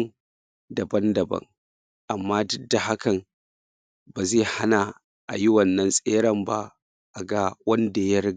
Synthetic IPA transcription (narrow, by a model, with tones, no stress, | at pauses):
dɐ˨bɐ˦ndɐ˨bɐ̰˦ŋ | ʔa˨mːaː˦dʊ˦dːa˨ha˦kɐ˨m | baː˨zeː˦˨ha˦na˨ | ʔa̰˨ji˦wɐ˨nːɐ˦nsʼeː˦ɽɐ˦˨mba̰˦ | ʔa˨ɡa˦wɐ˦nda˨jɐ˦ɾɡ